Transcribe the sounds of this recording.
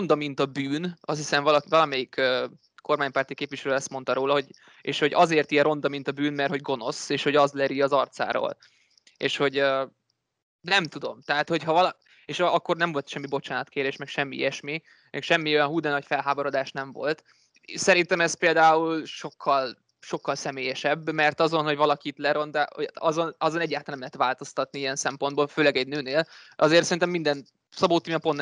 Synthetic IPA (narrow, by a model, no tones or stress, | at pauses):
rond̪ɒmint̪ɒbyːnʔɒst̪hisɛɱvɒlɒkivɒlɒmɛjikøː | ko̞rmaːɲpaːrt̪ikeːpʋiʃɛløːɛst̪mo̞nt̪ɒɾoːlɒɦo̞ɟ | ḛːʃho̞ɟɒzeːrt̪iɛɾo̞nd̪ɒmint̪ɒbyːnmɛrt̪ho̞ɟɡo̞no̞seːʃho̞ɟɒzlɛɾiɒzɒrt̪sa̰ːɾo̰ːl | ḛːʃho̞ɟø | nɛmt̪ud̪o̞mt̪ɛɦaːt̪ho̞chɒvɒlɒ | eːʃɒkːo̞rnɛɱvo̞lt̪ʃɛmːibo̞t͡ʃaːnɒt̪keːɾeːʃmɛkʃɛmːiḭɛʃmi | mʔɛkʃɛmːio̞jɒnɦuːd̪ɛnɒcfɛlɦaːboɾo̞d̪aːʃnɛɱvo̞̰lt̪ | sɛɾint̪ɛmɛspeːld̪aːulʃo̞kːɒl | ʃo̞kːɒlsɛmeːjɛʃɛbːmɛrt̪ɒzo̞nho̞ɟvɒlɒkit̪lɛɾo̞nd̪aoɒzo̞nɒzonɛɟːaːt̪ɑlnɛmlɛɦɛt̪ʋaːlt̪o̞st̪ɒt̪niijɛnsɛmpo̞nd̪boːlføːlɛɡɛɟnøːneːlʔɒzeːrt̪sɛɾint̪ɛmːind̪ɛn | sɒboːt̪ːimɛponː